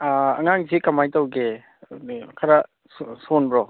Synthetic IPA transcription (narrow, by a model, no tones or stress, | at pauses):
aɐŋaŋzikɐmajtawɡe | kʰaɾa | ssonbɾɔ